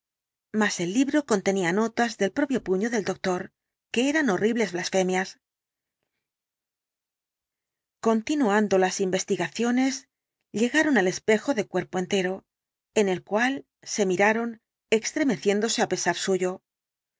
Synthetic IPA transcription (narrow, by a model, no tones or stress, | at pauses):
mase̞lːiβɾo̞ko̞nt̪e̞niano̞t̪azðe̞lpɾo̞pjo̞puɲo̞ðe̞ld̪o̞k̚t̪o̞ɾ | ke̞eɾano̞riβle̞zβlasfe̞mjas | ko̞nt̪inuand̪o̞lasimbe̞st̪iɣaθjo̞ne̞z | ʎe̞ɣaɾo̞nale̞spe̞xo̞ðe̞kwe̞ɾpo̞e̞nt̪e̞ɾo̞ | e̞ne̞lkwal | se̞miɾaɾo̞n | e̞kst̪ɾe̞me̞θje̞nd̪o̞se̞ape̞saɾsuʝo̞